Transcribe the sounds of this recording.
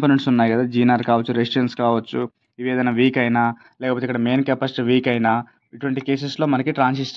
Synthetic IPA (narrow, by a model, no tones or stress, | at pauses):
poːneɳʈsunːaːjikɐd̪aːd͡ʒiːnaːɾkaːʋɐt͡ʃːuɾesʈɾɐnskaːʋɐt͡ʃːu | iʋeːd̪ɐjnaːʋiːkɐjnaː | lɛːkɐpoːt̪eikːɐɽɐme̞ːnkɐpɐsʈʋiːkɐjnaː | iʈuʋɐɳʈike̞ːseslo̞ːmɐnɐkiʈɾaːnsist͡ʃ